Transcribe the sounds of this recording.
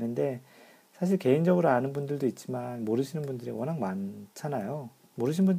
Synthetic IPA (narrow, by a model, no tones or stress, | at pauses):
nɯnde̞ | sʰaɕ̬ʰiɭke̞ind͡ʑʌɡɯɾoanɯnbundɯɭdoit̚t͡ɕ͈imanmoɾɯɕʰinɯnbundɯɾḭwʌnɦaŋmant͡ɕʰanajo | moɾɯɕ̬ʰinbun